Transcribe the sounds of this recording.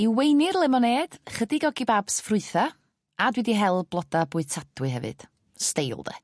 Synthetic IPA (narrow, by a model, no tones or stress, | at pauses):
iwejnɪrlˠɛmɔneːd̥χədiɡɔɡibaːb̥sfrʊɨθa | adwɪdiɦɛlˠblˠɔd̥abʊːɨtʰad̥wɨɦɛvɨ̰d̥ | stejlˠdɛ̰